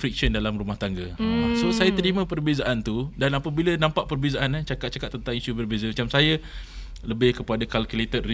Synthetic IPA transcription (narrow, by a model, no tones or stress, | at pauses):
fɾik̚ʃəndalamrumaht̪aŋɡasosajat̪əɾimə̃pərbezaʔant̪udanapəbilanãmpaʔpərbezaʔanat͡ʃakat̪̚t͡ʃakat̪ːənt̪aŋisubərbezəmat͡ʃamsaja | ləbɪhkəpadakalkulet̪ət̪̚ri